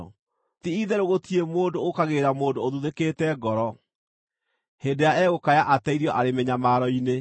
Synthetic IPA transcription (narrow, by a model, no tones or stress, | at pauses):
tiiðeɾoɣotiemoːdookaɣeɾamoːdooðuðekeːtɛɡɔɾɔ | hendeaɛɣokajaʔatɛiɾjɔʔaɾemeɲamaɾɔine